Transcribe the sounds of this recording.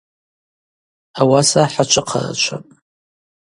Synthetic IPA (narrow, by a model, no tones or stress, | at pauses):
awasaħat͡ʃʷʰʼɨqʰa̰ra̰t͡ʃʷʰa̰pʼ